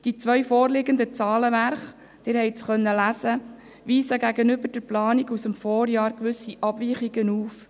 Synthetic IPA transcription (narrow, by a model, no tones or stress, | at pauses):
d̥it͡sʋœɥfoːɾlɪɡənd̪ət͡sɑːləʋæɾχ | d̪̥ɪːɾhɛɪt͡sχœnːəlæsə | ʋiːsəɡæɡənʏbəd̥əɾplɑːniɡusəmfoːɾjɑːɾkʋʏsiʔɑbviːχiɡənuːf